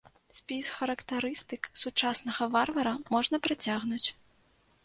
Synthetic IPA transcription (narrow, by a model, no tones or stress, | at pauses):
sʲpʲisxɐɾɐkt̪ɐɾɨst̪ɨksut͡ʂasnɐɣɐvarvɐɾɐmɔʐnɐpɾat͡sʲaɣnut͡sʲ